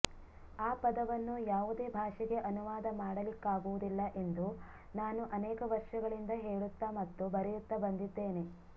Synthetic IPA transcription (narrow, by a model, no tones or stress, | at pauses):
aːpɐd̪ɐʋɐnːujaːʋud̪e̞ːbʱaːʂɛɡe̞ʔɐnuʋaːd̪ɐmaːɽɐlikːaːɡuʋud̪ilːɐʔe̞nd̪u | naːnuʔɐnɛːkɐʋɐɾʂɐɡɐɭind̪ɐɦeːɭut̪ːamɐt̪ːubɐɾɛjut̪ːɐbɐnd̪id̪ːe̞ːne̞